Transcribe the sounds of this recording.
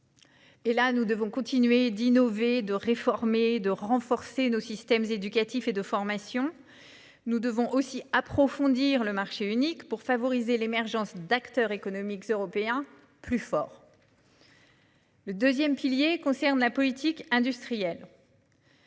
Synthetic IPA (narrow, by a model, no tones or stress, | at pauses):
elanud̪əvɔ̃kɔ̃t̪inɥed̪inɔved̪əʁefɔʁmed̪əʁɑ̃fɔʁsenosist̪ɛmzed̪ykat̪ifed̪əfɔʁmasjɔ̃ | nud̪əvɔ̃ʔosiapχɔfɔ̃d̪iʁləmaʁʃeynikpuʁfavɔʁizelemɛʁʒɑ̃sd̪akt̪œʁekɔnɔmikøʁɔpeɛ̃ | plyfɔːʁ | ləd̪øzjɛmpiljekɔ̃sɛʁnlapɔlit̪ʰikɛ̃d̪yst̪χijɛl